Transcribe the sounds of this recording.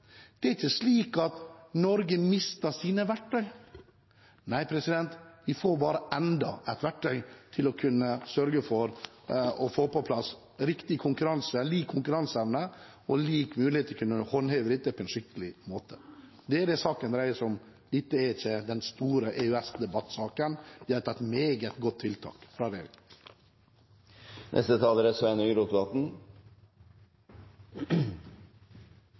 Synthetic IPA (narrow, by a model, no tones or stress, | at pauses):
d̪̥ɛæɾɪçːəsliːkɑt̪nɔɾɡəmɪst̪əsiːnəʋæʈʰːœʏ | næɪpʰɾɛsɪd̪ɛnt̪ʋɪfoːɾbɑːɾəʔɛnd̪ɑ̰ɛt̪ʋæʈʰːœʏt̪ʰɪlɔkʰʉnːəsœɾɡəfɔɾ | ɔfoːpɔpʰlɑs | ɾɪkt̪ɪkʰʊŋkʉɾɑnsəliːkʰːʊŋkʉɾɑnsɛʋnə | ɔliːkmʉːlɪeːt̪əkʉnːəhɔnhœɪʋəd̪ɪt̪ːəpʰɔɛnʂɪkt̪əlɪmoːt̪ʰə̥ | d̪ɛæɖ̪ɛsɑːkənɾæɪəsɔm | ɪt̪ːəɛɾɪçːəd̪ɛnst̪uːɾəʔɛʉɛsd̪ɛbɑt̪ːsɑːkənɪæt̪ʰɑɛt̪meːɡət̪ɡɔt̪ʰːɪlt̪ʰɑ̰ːkfɾɑːɾeɾɪɡ | nʔɛ̰st̪ət̪ʰɑːləɾəsʋɛnyɾuːt̪ʋɑt̪n̩